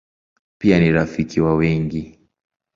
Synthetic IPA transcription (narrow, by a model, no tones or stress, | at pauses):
pianiɾafikiwawɛŋɡi